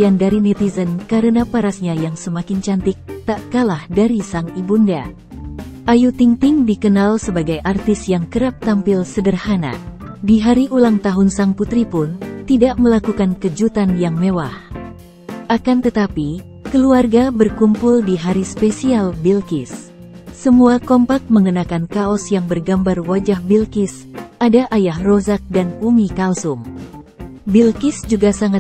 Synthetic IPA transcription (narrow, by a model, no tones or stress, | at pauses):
andaɾinit̪izənkaɾənapaɾasɲajaŋsəmakɪnt͡ʃant̪ɪk̚t̪aʔkalahdaɾisaŋibunda | ʔajut̪ɪŋt̪ɪŋdikənalsəbaɡajʔart̪ɪsjaŋkəɾap̚t̪ampɪlsədərhana̰diɦaɾiʔulaŋt̪aɦʊnsaŋput̪ɾipʊnt̪idaʔməlakukankəd͡ʒut̪anjaŋmewah | ʔakant̪ət̪api | kəluarɡabərkumpʊldiɦaɾispesialbilkɪsː | əmuakɔmpak̚məŋənakankaɔsjaŋbərɡambarwad͡ʒahbilkɪs | ʔadaʔajahrozak̚danumikalsʊŋ | bilkɪsd͡ʒuɡasaŋa